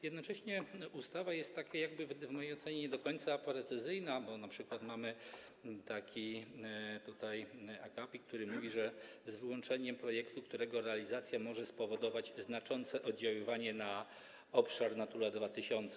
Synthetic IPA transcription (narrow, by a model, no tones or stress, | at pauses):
jɛd̪nɔt͡ʂɛɕɲɛust̪avajɛst̪ːakʲajaɡ̚bɘvvmɔjejɔt̪sɛɲɛɲɛd̪ɔkɔɲt̪sapɾɛt̪sɘzɘjnabɔnapʂɘkwat̪mamɘ | t̪akʲi | t̪ut̪ajakapʲikt̪uɾɘmuvʲiʐɛzvwɔnt͡ʂɛɲɛmpɾɔjɛkt̪ukt̪uɾɛɡɔɾɛalʲizat̪sʲjamɔʐɛspɔvɔd̪ɔvad͡ʑznat͡ʂɔnt̪sɛʔɔd̪d͡ʑawɘvaɲɛna | ɔpʂaɾnat̪uɾad̪vat̪ɘɕɔnt̪sɛ